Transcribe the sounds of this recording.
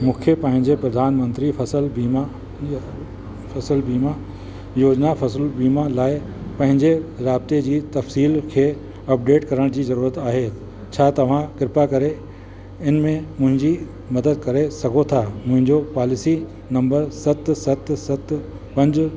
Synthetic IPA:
mʊ̃ːkʰjəpɐ̃ɦɪ̃ɲd͡ʑepɾɐd̪ʱaːnmə̃nt̪ɾifʰɐsəlbiːma | fʰɐsəlbiːma | joːd͡ʑnafʰɐsəlbiːmalaːɪ | pɐ̃ɦɪ̃ɲd͡ʑeɾaːbɪt̪ed͡ʑiːt̪ɐfsiːlkʰeː | ɐp̚ɖeːʈkɐɾəɽ̃d͡ʑiːzɐɾuːɾət̪aːɦeː | t͡ɕʰaːt̪ɐʋ̤ãkɪɾɪpakɐɾe | ɪnmẽmʊ̃ɦɪ̃ɲd͡ʑi | mɐd̪əd̪̚kɐɾesɐɡʱot̪ʰaːmʊ̃ɦɪ̃ɲd͡ʑopaːlɪsi | nɐ̃mbəɾsɐt̪sɐt̪sɐt̪ | pɐ̃ɲd͡ʑ

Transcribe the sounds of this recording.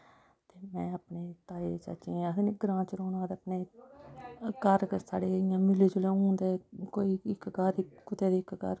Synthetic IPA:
t̪eːmɛ̃ːapɳeːt̪aːeːt͡ʃa̰t͡ʃĩːseneɡɾãːt͡ʃɾoːnãːd̪eəpneː | kəɾsa̰ːɽeːɪjãːmɪleːt͡ʃʊlẽːũːnd̪eːkoːiːɪkɡəɾɪkʊt̪eːd̪iːɪkkə̰ɾ

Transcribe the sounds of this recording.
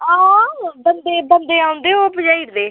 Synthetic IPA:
abənd̪eːbənd̪eːaːʊ̃nd̪eːoːbəd͡ʒaːiɾd̪eː

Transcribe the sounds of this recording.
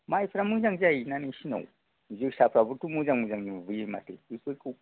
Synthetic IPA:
maifɾamund͡ʒaŋd͡ʒajinaniʃina̰u | mud͡ʒeʃapɾavuɾtumud͡ʒaŋmud͡ʒaŋd͡ʒivuema̰tḛusuku

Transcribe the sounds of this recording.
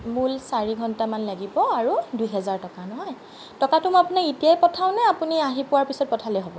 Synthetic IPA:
mulsaɹiɡʱɔntamanlaɡibɔaɹudujɦɛzaɹtɔkanɔɦɔj | tɔkatʊmɔapunaetijajpɔtʰaʊ̃nɛapuniaɦipʊwaɹpisɔt̚pɔtʰalɛɦɔbɔ

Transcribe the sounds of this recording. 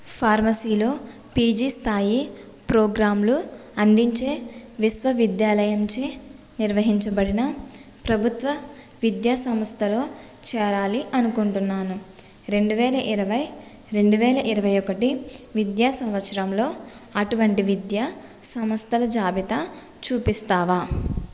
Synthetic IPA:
pʰaːɾmɐsiːlo̞ː | piːd͡ʒiːst̪ʰaːji | pɾoːɡɾaːmluɐnd̪iɲt͡ʃe̞ːʋisʋɐʋid̪jaːlɐjɐmt͡ʃeː | niɾʋɐɦiɲt͡ʃɐbɐɽinɐ | pɾɐbʱut̪ʋɐ | ʋid̪jaːsɐmɐst̪ʰɐloː | t͡ʃɛːɾaːliʔɐnukoɳʈunːaːnu | ɾe̞ɳɖuʋɛːlɐʔiɾɐʋɐj | ɾe̞ɳɖuʋɛːlɐʔiɾɐʋɐjokɐʈiʋid̪jaːsɐmʋɐt̪ːʃɐɾɐmlo̞ː | ɐʈuʋɐɳʈiʋid̪ja | sɐmɐst̪ʰɐlɐd͡ʒaːbʱit̪ɐ | t͡ʃuːpist̪aːʋaː

